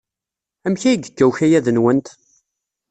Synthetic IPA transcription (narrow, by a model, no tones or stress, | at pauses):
æmçæjɡəɡːæwçæjæðənwənt̪